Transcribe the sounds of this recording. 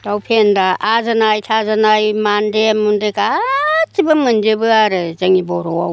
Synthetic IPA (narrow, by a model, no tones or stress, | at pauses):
d̥awpʰendaʔazanajtʰazanajmandemundekat͡ʃibɯmɯnd͡ʒɯbɯaɾɯzaŋibɔɾɔa